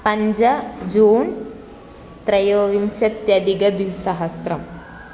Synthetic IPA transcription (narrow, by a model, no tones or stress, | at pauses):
pɐɲd͡ʒɐd͡ʒuːn | t̪ɾɐjoːʋimsɐt̪jɐd̪iɡɐd̪isɐɦɐsɾɐm